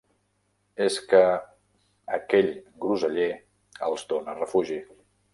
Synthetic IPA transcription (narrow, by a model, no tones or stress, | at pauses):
eskə | əkɛʎɡɾuzəʎe | ə̰lˠzd̪onərəfuʒi